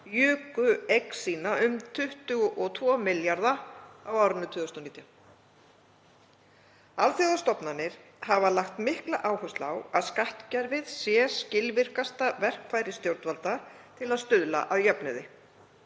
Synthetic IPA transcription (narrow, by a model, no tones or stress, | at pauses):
jʏːkʏeksiːnaʏmt̪ʰʏht̪ʏɣʔɔt̪ʰvɔmɪljaɾðaawaːwɾɪnːʏt̪ʰʏːðʏst̪ɔniːt̪ja | alθjɔðast̪ɔpnanːɪɾ̥ | havalaxt̪mɪhklaʔaːwhʏst̪lawaðskaht̪caɾvɪð̥sjɛscɪlvɪr̥kast̪avɛr̥kʰvaːjɾɪst̪jowɾ̥t̪valt̪a | t̪ʰɪlaðst̪ʏðla̰ʔaðjœpnɪðɪ